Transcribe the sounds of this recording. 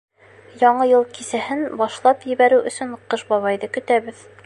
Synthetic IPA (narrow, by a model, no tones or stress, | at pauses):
jɒɴɤjɤlˠkisæhɘnbɑʃlˠɑpjɘ̆βæɾɘwʔɵ̆sɵɴqɤʃbɑβɑjðɤkɵ̆t̪æβɘð